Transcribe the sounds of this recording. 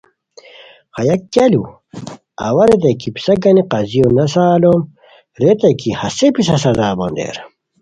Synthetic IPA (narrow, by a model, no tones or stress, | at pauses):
xɐjɐkːalu | ɐ̰wɐɾet̪̬ekipi̥sɐɡɐniqɐzijonɐsaːlom | ɾet̪ekihɐsepis̬ɐsɐzaːbond̪ḛɾ